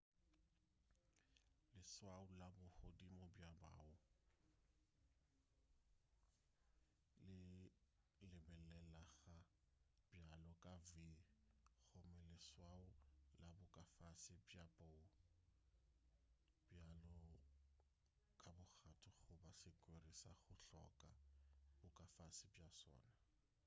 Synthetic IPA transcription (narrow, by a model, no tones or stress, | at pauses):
lɪswaʊlabʊhodimɔbjaba̰ʊ | lɪ | lɪbɛlɛlaɣa | b̥jalɔkʼaviɣʊmɛlɪswaʊlabʊkʼafasɪbjapʼo | bjalɔ | kʼabʊk͡xatʰʊχʊbasɪkʼwerisaχʊɬɔ̰kʼabʊkʼafasɪbjasɔ̰ːna